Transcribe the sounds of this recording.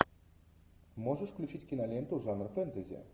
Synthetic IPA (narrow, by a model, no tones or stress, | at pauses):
moʐəʂklʲut͡ɕitʲkʲinalʲent̪uʐanrəfɛnt̪əzʲḛ